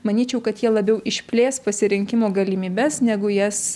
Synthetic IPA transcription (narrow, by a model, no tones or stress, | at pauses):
mɐnʲiːt͡ʃʲɛʊkɐt̪jiɛlˠɐbʲɛʊʔɪʃʲpʲlʲeːspɐsʲɪɾʲɪŋʲkʲɪmoːɡɐlʲɪmʲiːbʲɛsnʲæɡʊjɛs